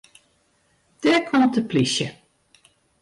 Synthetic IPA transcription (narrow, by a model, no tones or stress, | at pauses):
d̥ɛɹkʰɔmtəplisjə